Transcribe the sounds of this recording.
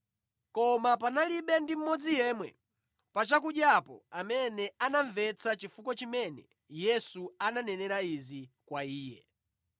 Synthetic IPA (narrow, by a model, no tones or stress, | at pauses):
kɔmap̬analiɓɛndim̩mɔd͡zijɛːmwɛ | pat͡ʃak̬uɗjapɔ̰amɛnɛanaɱvɛt͡sʰat͡ʃifukɔt͡ʃimɛnɛ | jɛsuananɛnɛɾaizikwaiːjɛ̰